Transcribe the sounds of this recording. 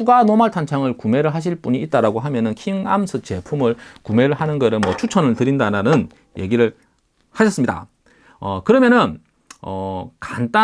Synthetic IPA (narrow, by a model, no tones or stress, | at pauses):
uɡanomaɭtʰant͡ɕʰaŋɯɭkume̞ɾɯɭɦaɕ̬ʰiɭp͈uɲiːt̚t͈aɾaɡoɦamjʌnɯnkʰiŋa̰msʰɯt͡ɕe̞pʰumɯɭkume̞ɾɯɭɦanɯnɡʌɾɯmwʌt͡ɕʰut͡ɕʰʌnɯɭtɯɾindaɾanɯn | je̞̰ɡiɾɯɭ | haɕʰʌs͈ɯmɲida̰ | ʌkɯɾʌmjʌnɯn | ʌ̰kant͈a